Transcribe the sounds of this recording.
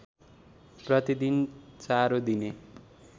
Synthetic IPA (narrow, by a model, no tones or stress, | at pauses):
prʌt̪id̪int͡saɾod̪ine